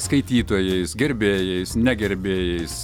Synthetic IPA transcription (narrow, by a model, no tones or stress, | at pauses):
skɐɪt̪ʲiːt̪oːjɛɪsɡʲɛɾʲbʲeːjɛɪsnʲɛɡʲɛɾʲbʲeːjɛɪs